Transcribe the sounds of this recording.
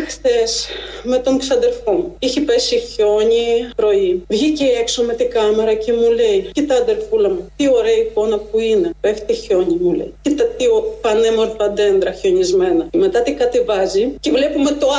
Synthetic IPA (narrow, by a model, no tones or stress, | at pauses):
xθesme̞t̪o̞ŋksɐðelfo̞muiçipesiço̞ɲipɾo̞ivʝiceekso̞me̞t̪ikɐme̞ɾɐce̞muleicit̪ɐːðelfulɐmut̪io̞ɾe̞ɐiko̞nɐpuine̞peft̪iço̞ɲimulḛjcit̪ɐt̪iopɐnemo̞ɾθɐðe̞nd̪ɾɐço̞ɲizme̞nɐme̞t̪ɐt̪ikɐt̪evɐzicevle̞pume̞t̪o